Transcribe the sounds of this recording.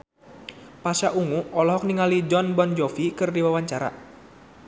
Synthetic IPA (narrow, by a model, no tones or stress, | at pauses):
pasaʔuŋuɔlɔɦɔk̚niŋalid͡ʒɔnbɔnd͡ʒɔfikɨrdiwawaɲt͡ʃaɾa̰